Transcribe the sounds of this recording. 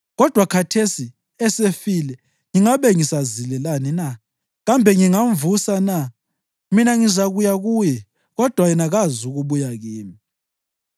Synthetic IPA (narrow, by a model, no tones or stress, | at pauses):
ɣɔd̥ʱwakʰatʰesi | ɛsefilɛ | ŋiŋaβɛŋisazilɛlanina | ɣambʱɛŋiŋaɱvusana | minaŋizaɣujaɣujɛ | ɣɔd̥ʱwajɛnaɣazuɣuβujaɣiːmi